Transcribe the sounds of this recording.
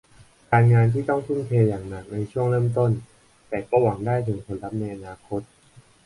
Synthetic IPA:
kaː˧nŋaː˧nt̪ʰiː˥˩t̪ɔ˥˩ŋt̪ʰu˥˩nkʰeː˧jaː˨˩ŋna˨˩k̚na˧jt͡ɕʰu˥˩əŋɾɤː˥˩mt̪o˥˩n | t̪ɛː˨˩kɔː˥˩wa˩˦ŋdaː˥˩jt̪ʰɯ˩˦ŋkʰo˧nɾa˦˥p̚na˧jʔa˧naː˧kʰo˦˥t̪̚

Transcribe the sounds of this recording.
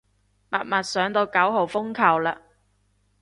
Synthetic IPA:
mɐ̰˨t̚mɐ˨t̚sœː˨˥ŋt̪o˧wkɐ˨˥wɦo˨wfʊ˥ŋkʰɐ˨˩wlaː˨˧

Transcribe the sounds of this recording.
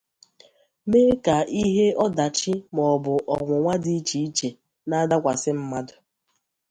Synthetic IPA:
me˦ka˨i˦ɦe˦ɔ˦da˨t͡ʃi˦mɔ˨bʊ˨ʔɔ˨ŋʷʊ˨ŋʷa˦di˦t͡ʃi˨i˦t͡ʃe˨ | na˦da˦kʷa˨sɪ˦m̩˦ma˦dʊ˨

